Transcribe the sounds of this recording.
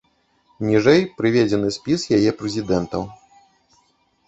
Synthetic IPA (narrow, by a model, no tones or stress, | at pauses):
nʲiʐɛjpɾɨvʲed͡zʲɛnɨsʲpʲisjajɛpɾɛzʲid̪ɛnt̪ɐw